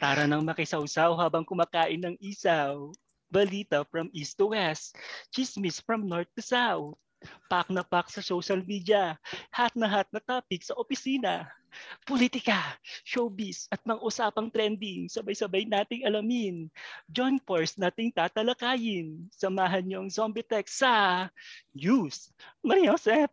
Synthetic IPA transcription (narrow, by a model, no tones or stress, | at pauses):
paːɾɐnɐŋmɐkɪsɐwsawhaːbɐŋkʊmaːkaːʔɪnːɐŋʔiːsɐw | bɐliːt̪ɐfɾɐmʔist̪ʊwɛst̪t͡ʃismɪsfɹɐmnoɹt̪̚ːʊsaw | pak̚nɐpak̚sɐsowʃɐlmiːd̪jɐhat̪̚nɐɦat̪̚nɐt̪aːpɪk̚sɐʔopɪsiːnɐ | polit̪ɪkɐʃowbɪsɐt̪̚mɐŋʔʊsaːpɐŋt̪ɾɛnd̪ɪŋsɐbɐjsɐbɐjnaːt̪ɪŋɐlɐmɪnd͡ʒonkoɹsnaːt̪ɪŋt̪aːt̪ɐlɐkaːjɪnsɐmaːɦɐnɲoʔɐŋsombɪt̪ɛksɐ | jusmɐɾosɛp̚